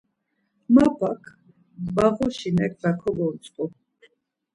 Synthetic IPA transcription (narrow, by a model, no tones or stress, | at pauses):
mapakʰ | baɣɔʃinɛk̚ʰd̪akʰɔbɔɾt͡ʃʼqʼɔ